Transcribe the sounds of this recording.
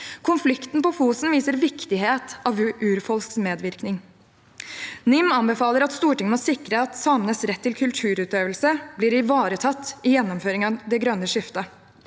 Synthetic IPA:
kʰʊnflɪkt̪n̩pɔfuːsn̩ʋiːsəɾʋɪkt̪ɪɦeːt̪ɑːʋʉʔʉːɾfɔlsksmeːd̪ʋɪɾknɪŋ | nɪmɑnbɛfɑːləɾɑt̪st̪uːʈɪŋːənɔsɪkɾəɑt̪sɑːmənəsɾɛt̪ʰːɪlkʰʉlt̪ʰʉːɾʉːt̪øːʋəlsəblɪːɾɪʋɑːɾət̪ʰɑt̪ːɪjɛnːɔmføːɾɪŋɑd̪ɛɡɾœnːəʂɪft̪ə

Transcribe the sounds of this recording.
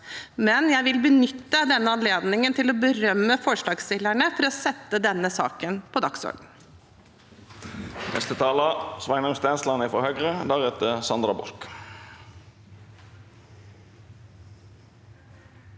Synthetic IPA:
mɛnjæɪʋɪlbənʏt̪ːəd̪ɛnːəɑnleːd̪nɪŋənt̪ʰɪlɔbəɾœmːəfɔʂɭɑːɡsɪlːæɳəfɔɾɔsɛt̪ːəd̪ɛnːəsɑ̰ːkənpʰɔd̪ɑksɔ̰ɾɡn̩ | nɛ̰st̪ət̪ʰɑːlɑsʋɑɪnəmst̪ɛnslɑnɪfɔhœɡɾəd̪æʁɛt̪əsɑnd̪ɾɑbɔ̰lk

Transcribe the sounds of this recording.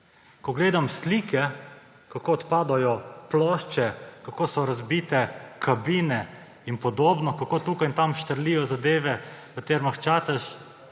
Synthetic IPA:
kɔɡleːd̪amst̪liːkʰɛ | kakoːt̪paːd̪ajɔplɔʃt͡ʃɛkakoːsɔɾazbiːt̪ɛkʰabinɛ | inpɔd̪oːbnɔkakoːt̪uːkajnt̪amʃt̪əɾliːjɔzad̪eːʋɛkət̪eːɾmaxt͡ʃaːt̪aʃ

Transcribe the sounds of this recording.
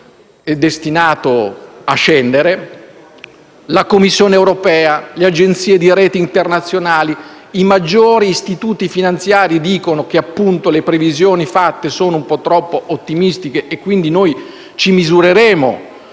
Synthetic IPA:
ɛd̪ːest̪inaːt̪oat͡ʃːɛnd̪eɾe | lakomːisːjoːneːwɾopɛːalead͡ʒent̪siːed̪iɾɛːt̪iːnt̪ernat̪sːjonaːli | imad͡ʒːoːɾiːst̪it̪uːt̪ifinant̪sjaːɾid̪iːkonok̟eapːunt̪olepɾevizjoːnifat̪ːesoːnoumpɔt̪ːɾɔpːoʔot̪ːimist̪ikeːkːwind̪inoj | t͡ʃimizuɾeɾɛːmo̰

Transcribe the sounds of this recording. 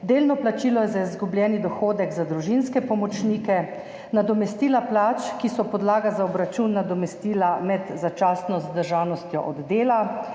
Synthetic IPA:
d̪eːlnɔplat͡ʃiːlɔjɛzaizɡubljɛːnid̪ɔxoːd̪ɛɡzad̪ɾuʒinskɛpɔmɔt͡ʃniːkɛ | nad̪ɔmɛst̪iːlaplaːt͡ʃkisɔpɔd̪laːɡazaɔbɾat͡ʃunːad̪ɔmɛst̪iːlamɛd̪zat͡ʃaːsnɔzd̪əɾʒaːnɔst̪jɔ̰ʔɔd̪ːeːla

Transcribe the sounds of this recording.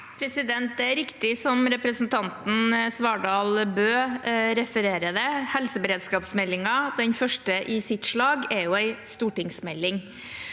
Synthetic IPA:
pʰɾɛsɪd̪ɛnt̪̚d̪ɛæɾɪkt̪ɪsɔmɾɛpɾəsnt̪ʰɑnt̪n̩sʋɑːɖɑːlbøːɾɛfəɾeːɾəd̪ɛhɛlsəbəɾeːd̪skɑːpsmɛlːɪŋɑd̪ɛɲfœʂʈəʔɪsɪt̪ʂɭɑːɡɛɾjʊæɪst̪uːʈɪŋsmɛlːɪŋ

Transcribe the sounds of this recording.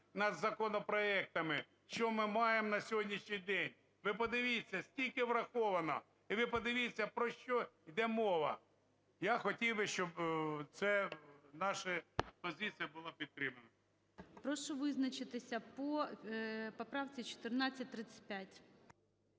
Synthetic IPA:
nɐd̪zɐkɔnɔpɾɔɛk̚t̪ɐmɪ | ʃt͡ʃɔmɪmɑjemnɐsʲɔɦɔdʲnʲiʃɲʲijd̪ɛnʲ | ʋɪp̬ɔd̪ɪʋʲisʲːɐsʲtʲilʲkɪʋɾɐxɔʋɐnɔ | iʋɪpɔd̪ɪʋʲisʲɐpɾɔʃt͡ʃɔid̪ɛmɔʋɐ̰ | jaxɔtʲiwbɪʃt͡ʃɔbt̪sɛnɑʃɐpɔzɪt͡s̪ʲijɐbʊlˠɑpʲit̪̚t̪ɾɪmɐnɐ | pɾɔʃɔʋɪznɐt͡ʃɪt̪ɪsʲɐpɔ | pɔpɾɑwt͡sʲit͡ʃɔ̥t̪ɪrnɑt͡sʲːɐt̚ʲt̪ɾɪt͡sʲɐ̥t̚ʲpʲjatʲ

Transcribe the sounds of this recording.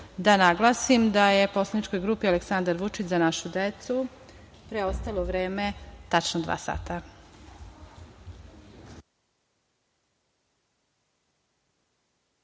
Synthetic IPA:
d̪anaɡlˠasimd̪aje̞po̞slˠanit͡ʃko̞jɡɾuːpialeksand̪aɾʋut͡ʂit͡ɕzanaʃud̪et̪su | pɾeost̪aloʋɾe̞ːmet̪at͡ʃnod̪ʋa̰ːsa̰ːt̪a

